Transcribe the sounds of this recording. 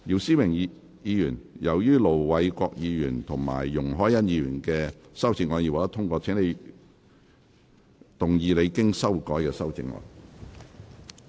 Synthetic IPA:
jiː˨˩wsiː˥wɪ˨˩ŋ˧ | jiː˨˧jyː˨˩njɐ˨˩wjyː˥lo˨˩wwɐ˨˧jkʷɔː˧k̚jiː˨˧jyː˨˩nt̪ʰʊ˨˩ŋma̰ː˨˩jːʊ˨˩ŋɦɔː˨˥jɐ˥njiː˨˧ɥyː˨˩nkɛː˧sɐ˥wt͡sɪ˧ŋːɔː˧njiː˨˧˩waː˨kt̪ɐ˥t̪ʰʊ˥ŋkʷɔː˧t͡sʰɛː˨˥ŋne˨˧j | t̪ʊ˨ŋjiː˨˧le˨˧jkɪ˥ŋsɐ˥wkɔː˨˥jkɛː˧sɐ˥wt͡sɪ̰˧˥ŋɔ̰ː˧n

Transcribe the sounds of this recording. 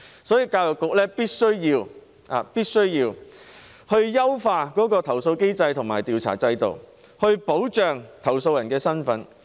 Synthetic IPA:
sɔː˨˥jiː˧kaː˧wjʊ˨kːʊ˨k̚lɛː˥piː˥t̚sɵ˥ɥjiː˧w | a̰ː˨piː˥t̚sɵ˥ɥjiː˧w | hɵ˧ɥjɐ˥wfaː˧kɔː˨˥kɔː˧t̪ʰɐ˨˩wso˧wke˥jt͡sɐ˧jt̪ʰʊ˨˩ŋmaː˨˩jt̪iː˨wt͡sʰa̰ː˨˩t͡sɐ˧jt̪o̰˨w | hɵ˧ɥpo˨˥wt͡ʃœː˨ŋt̪ʰɐ˨˩wso˧wjɐ˨˩nkɛː˧sɐ˥nfɐ˨˥n

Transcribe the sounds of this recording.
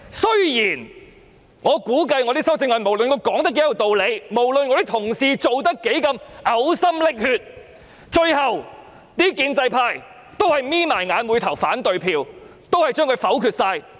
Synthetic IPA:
sɵ˥ɥjiː˨˩n | ŋɔː˨˧kuː˨˥kɐ˧jŋɔ˨˧t̪i˥sɐ˥wt͡sɪ˧ŋwɐ˨nmo˨˩wlɵ˨nkʰɔ˧kɔː˨˥ŋt̪ɐ˥kːe˧˥jɐ˨˧˩t̪o˨wle˨˧jmo˨˩wlɵ˨nŋɔː˧ɾi˥t̪ʰʊ˨˩ŋsiː˨˧t͡so˨wt̪ɐ˥kːe˨˥jkɐ˧mʔɐ˨˥wsɐ˥mlɪ˥k̚hyː˧t̚ | t͡ʃɵ˧ɥhɐ˨w | t̪iː˥kiː˧nt͡sɐ˧jpʰaː˧j | t̪o˥whɐ˨˩jmiː˥maː˨˩jŋaː˨˧nmu˨˧jt̪ʰɐ˨˩wfaː˨˥nt̪ɵ˨ɥpʰiː˧w | t̪o˥whɐ˨jt͡ʃœː˥ŋkʰɵ˧ɥfɐ˨˥wkʰyː˧t̚saː˧j

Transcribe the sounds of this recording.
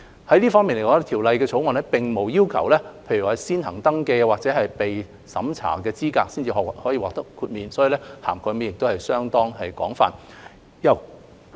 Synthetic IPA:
hɐ˨˥jliː˥fɔ˥ŋmiː˨nle˨˩kɔː˨˧˥ŋɛ˥t̪ʰiː˨˩wlɐ˨˧jkɛː˧t͡sʰo˨˥wŋɔː˨nlɛː˥pɪ˨ŋmo˨˩wjiː˥wkʰɐ̰˨˩wlɛː˥pʰe˧jɥy˨˩hɐ˨˩jsiː˥nɦɐ̰˨˩ŋt̪ɐ˥ŋkɛː˧waː˨k̚t͡sɛː˨˥ɦɐ˨jpe˨j | sɐ̰˨˥mt͡sʰa̰ː˨˩kɛː˧t͡siː˥kaː˧k̚siː˥nt͡siː˨hɔː˨˥jiː˨waː˨k̚t̪ɐ˥kʰːuː˧t̚miː˨nsɔ˨˥jiː˨˧lɛ˥ha̰ː˨˩mkʰɔ˨˧jme˨˥jɪ˨k̚t̪o˥whɐ˨jsœː˥ŋt̪ɔː˥ŋɦɐ˨jkɔ̰ː˨˥ŋfa̰ː˨n | jɐ˨˩w

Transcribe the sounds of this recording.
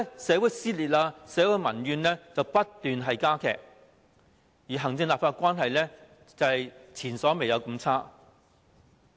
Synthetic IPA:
sɛː˨˥wuː˨˥jsiː˥liː˨t̚ʔaː˧sɛː˨˥wu˨˧˥jmɐ˨˩njyː˨˧nlɛː˥t͡sɐ˨˧wpɐ˥t̪yː˨nɦɐ˨jkaː˥kʰɛ̰ː˨k̚ | jiː˨˩ɦɐ˨˩ŋt͡sɪ˧ŋlaː˨p̚faː˧t̚kʷaː˥nɦɐ˨jlɛ˥ | t͡sɐ˨˩hɐ˨jt͡sʰiː˨˩nsɔː˨˥me˨jɐ˨˧wkɐ˧mt͡sʰaː˥

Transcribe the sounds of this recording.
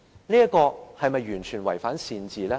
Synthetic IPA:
liː˥ɐ˥kɔː˧hɐ˨jmɐ˨jːyː˨˩nt͡ʃʰyː˨˩nwɐ˨˩jfaː˨˥nsiː˨˧nt͡siː˨lɛː˥

